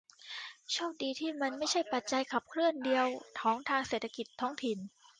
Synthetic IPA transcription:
t͡ɕʰoː˥˩k̚diː˧t̪ʰiː˥˩ma˧nma˥˩jt͡ɕʰa˥˩jpa˨˩t̪̚t͡ɕa˧jkʰa˨˩p̚kʰɾɯ˥˩əndi˧əwt̪ʰɔː˩˦ŋt̪ʰaː˧ŋseː˨˩t̪ʰːa˧ki˨˩t̪ʰːɔː˦˥˩ŋt̪ʰi˨˩n

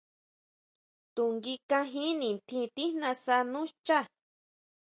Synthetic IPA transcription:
t̪u˨ŋɡi˧kã˧ɦĩ˦nĩ˨nt̪ʰĩ˧t̪i˦nã˧sa˧nũ˦t͡ʃa˦˨

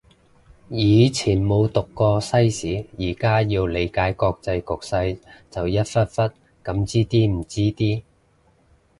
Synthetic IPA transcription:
jiː˨˧t͡sʰiː˨˩nmo˨˧wt̪ʊ˨kːɔː˧sɐ˥jsiː˨˥jiː˨˩kaː˥jiː˧wle˨˧jkaː˨˥jkɔː˧k̚t͡sɐ˧jkʊ˨k̚sɐ˧jt͡sɐ˨wjɐ˥t̚fɐ˥t̚fɐ˥t̚ | kɐ˨˥mt͡siː˥t̪iː˥m̩˨˩t͡siː˥t̪iː˥

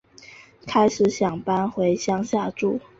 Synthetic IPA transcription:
kʰa˥ɪʂɻ̩˨˩˦ɕjɑ˨˩ŋpa˥nxwe˧˥ɪɕjɑ˥ŋɕja˥˧ʈ͡ʂṵ˥˩

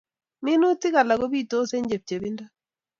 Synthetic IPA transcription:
mɪ˦nʊ˦tɪ˦ka˨la˨ɡo˦bi˦˨to˦se˦ɲd͡ʒe˨p̚t͡ʃe˨bi˦nda˦

